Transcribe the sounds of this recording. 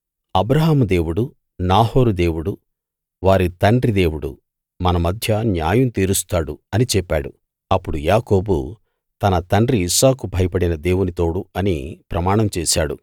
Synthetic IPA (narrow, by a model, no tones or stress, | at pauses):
ɐbɾɐɦaːmud̪e̞ːwuɽu | naːɦo̞ːɾud̪e̞ːwuɽu | ʋaːɾit̪ɐɳɖɾid̪eːwuɽṵ | mɐnɐmɐd̪ʱjɐnjaːjunt̪iːɾust̪aːɽuɐnit͡ʃɛpːaːɽu | ɐpːuɽujaːko̞ːbṵ | t̪ɐnɐt̪ɐɳɖɾiːsaːkubʱɐjɐpɐɽinɐd̪e̞ːwunit̪o̞ːɽuɐnḭpɾɐmaːɳɐmt͡ʃɛːʃaːɽṵ